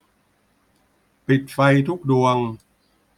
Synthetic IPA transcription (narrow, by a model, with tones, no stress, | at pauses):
pi˨˩t̪̚fa˧jt̪ʰu˦˥k̚du˧əŋ